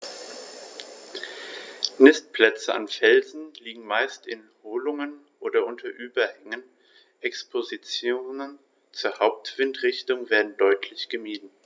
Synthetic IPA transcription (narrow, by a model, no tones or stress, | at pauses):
nɪst̚pl̥ɛt͡səa̰nfɛlzn̩liːɡŋ̩maɪstɪnhoːlʊŋənʔoːdɐʔʊntʰɐʔyːbɐhɛŋən | ʔɛkspʰozit͡sjoːnən | t͡suːɐhaʊp̚tv̥ɪntʁ̥ɪçtʊŋveːɐdn̩dɔʏtʰlɪçɡ̥əmiːdn̩